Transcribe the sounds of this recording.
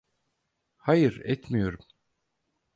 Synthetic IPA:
hajɯɾɛt̪mijo̞ɾum

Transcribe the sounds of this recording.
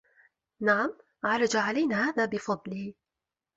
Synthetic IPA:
naʕam | ʕɑɾˤɑd͡ʒaʕalajnahaːðaːbɪfɑd̪ˤliː

